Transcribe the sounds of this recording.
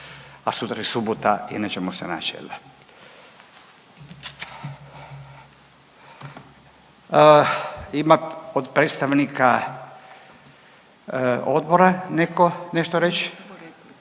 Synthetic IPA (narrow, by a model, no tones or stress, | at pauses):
asut̪ɾaesubot̪aḭnet͡ʃemosena̰t͡ʃḛl | imaod̪pɾet̪st̪aʋnika | od̪boɾanekoneʃt̪oɾet͡ʃ